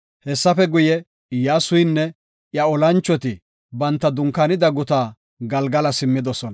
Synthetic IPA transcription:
hɛsːɐfɛɡʊjɛ | jaːsʊjnːɛ | jɐɔlɐnt͡ʃːɔt̪ɪ | bɐnt̪ːɐd̪ʊŋkɐnɪd̪ɐɡʊt̪aː | ɡɐlɡɐlɐsɪmːɪd̪ɔsɔnɐ

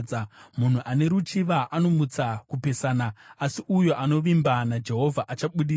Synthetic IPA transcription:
amun̤uʔane̞ɾut͡ʃiʋaʔano̞mut͡sakupe̞saːnaasiʔujo̞ʔano̞ʋimbanad͡ʒe̞ɦo̞vʱaʔat͡ʃaɓuɗiː

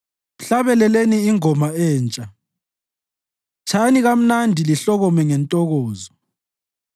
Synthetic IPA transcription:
uɬaβɛlɛleniːŋɔmaɛːnt͡ʃʼa | t͡ʃʰaniɣam̩nandʱiliɬɔɣɔmɛŋɛntʼɔɣɔːzɔ

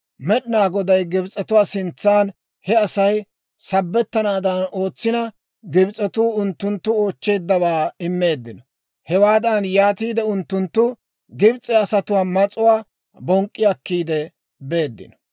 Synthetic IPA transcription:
mɛɗɪnaːɡɔd̪ɐjɡɪbt͡sʼːɛt̪ʊwaːsɪnt͡sːaːn | hɛɐsɐj | sɐbːɛt̪ːɐnaːd̪ɐno̞ːt͡sːɪnɐ | ɡɪbt͡sʼːɛt̪uːʊnt̪ːʊnt̪ːʊo̞ːt͡ʃːe̞ːd̪ːɐbaːɪmːe̞ːd̪ːɪnɔ | hɛwaːd̪ɐnjaːt̪iːd̪ɛʊnt̪ːʊnt̪ːʊ | ɡɪbt͡sʼɛɐsɐt̪ʊwaːmɐt͡sʼʊwaː | bɔŋkʼːɪjɐkːiːd̪ɛ | be̞ːd̪ːɪ̰nɔ̥

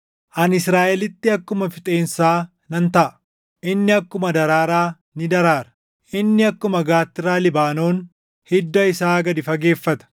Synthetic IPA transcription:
ʔɐnɪsɾaːʔɛlɪt̪ːɪɐkːʊmɐfɪt̪ʼe̞ːnsaː | nɐnt̪ɐʔɐ | ʔɪnːɪɐkːʊmɐd̪ɐɾaːɾaː | nɪd̪ɐɾaːɾɐ̥ | ʔɪnːɪɐkːʊmɐɡaːt̪ːɪraːlɪbaːno̞ːn | hɪd̪ːɐɪsaːɡɐd̪ɪfɐɡe̞ːfːɐt̪ɐ̥

